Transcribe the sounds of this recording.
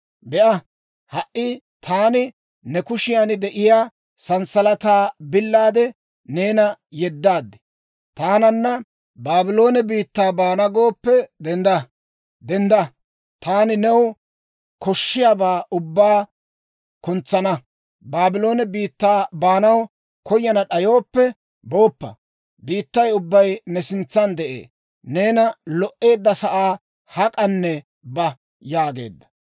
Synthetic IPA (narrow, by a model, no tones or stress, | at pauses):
bɛʔɐ | hɐʔʔːɪ | t̪ʰaːnɪ | nɛkʊʃɪjaːnɪd̪ɛʔɪjaː | sɐnsɐlɐt̪aːbɪlːaːd̪ɛ | ne̞ːnɐjɛd̪ːaːd̪ːɛ̥ | t̪aːnɐnːɐ | baːbɪlo̞ːnɛbiːt̪ːaːbaːnɐɡo̞ːpːɛd̪ɛnd̪ɐ | d̪ɛnd̪ɐ | t̪aːnɪnɛw | kɔʃːɪjaːbaːʔʊbːaː | kʊnt͡sːɐnɐ | baːbɪlo̞ːnɛbiːt̪ːaːbaːnɐw | kɔjːɐnɐɗɐjo̞ːpːɛ | bo̞ːpːɐ̰ | biːt̪ːɐjʊbːɐjnɛsɪnt͡sːɐnd̪ɛʔḛː | ne̞ːnɐlɔʔːe̞ːd̪ːɐsɐʔaː | hɐkʼɐnːɛ | bɐ | jaːɡe̞̰ːd̪ːɐ̥